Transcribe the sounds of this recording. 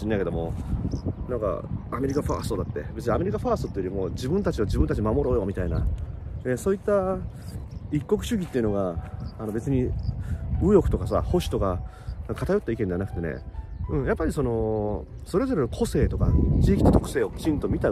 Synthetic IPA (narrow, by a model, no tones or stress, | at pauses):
inːajke̞d̪o̞mo̞̰ | nãŋka̰ame̞ɾʲikaɸa̰ːsɨ̥t̪od̪at̪ːe̞̰be̞t͡sɨɲʲiame̞ɾʲikaɸaːsɨt̪ot̪ːejoɾʲimo̞ːd͡ʑibɯ̟̃nt̪at͡ɕiod͡ʑibɯ̃nt̪at͡ɕimamo̞ɾo̞ːjo̞mʲit̪aina̰esoːit̪ːa | ikːo̞k̬ɯ̟ɕɨɡʲit̪ːeiɯ̟no̞ɡaːno̞be̞t͡sɨɲ̟i | ɯjokɯ̟̥t̪o̞kasa̰ho̞ɕi̥t̪o̞ka | akʰat̪ajo̞t̪ːaikẽnd̪anakɯ̟̥t̪e̞nḛɯ̟̃ɴjapːaɾʲiso̞no̞ | so̞ɾe̞zo̞ɾe̞kʰo̞se̞ːt̪o̞ka̰t͡ɕiːkʲi̥t̪ot̪o̞kɯ̟se̞ːo̞kʲi̥t͡ɕĩnt̪o̞mʲit̪a